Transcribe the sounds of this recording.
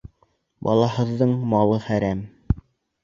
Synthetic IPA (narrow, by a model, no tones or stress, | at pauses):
bɑ̰lˠɑɦɤ̆ðːɤɴmɑlˠɤχæɾæm